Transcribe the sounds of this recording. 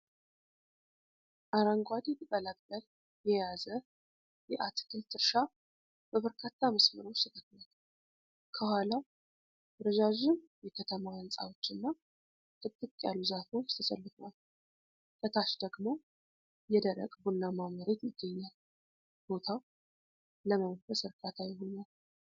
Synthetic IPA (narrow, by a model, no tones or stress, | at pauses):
ʔaɾaŋɡʷad̪it̪ʰɨk̪ʼəlakʼːəl | jɛjazə | jɛʔat̪ʰɨ̥kʰɨlt̪ʰɨɾʃa | b̥əβəɾkʰat̪ʰːaməsmɨɾo̞t͡ʃt̪ʰət̪ʰʼət̪nat̪ | kʰəhʷalaw | ɾəd͡ʒaʒɪmjɛkʰət̪ʰəmawənsʼa̰wo̞t͡ʃːɨnːa | t̪ʰɨt̪ːɨtʼja̰lːuzafewot͡ʃːt̪ʰəsəlːɨfal | t̪ʼət̪ʰaʃd̪əɡmo̞ | jɛd̪əɾə̰kʼbunːamaməɾet̪jɪɡːəɲːal | b̥o̞t̪ʰaw | ləməwəfəsɨɾkʰʼat̪ʰajɪɦo̞ɲal